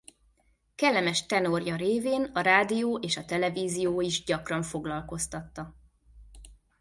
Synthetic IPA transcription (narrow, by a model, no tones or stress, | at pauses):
kɛlːɛmɛʃt̪ɛno̞rjɒɾeːveːnɒɾaːd̪ijoːʔeːʃɒt̪ɛlɛviːzijoːiʒɟɒkrɒɱfo̞ɡlɒlko̞st̪ɒt̪ːɒ